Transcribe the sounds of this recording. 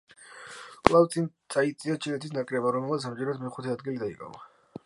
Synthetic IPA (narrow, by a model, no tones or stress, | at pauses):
kʼlˠavt̪sʼint̪sʼait̪sʼiat͡ʃʰilɛt̪ʰisnakʼɾɛbaɾɔmɛlˠmat̪smʁiɾɛt̪d̪mɛχut̪ʰɛad̪ɡilid̪aḭkʼa̰va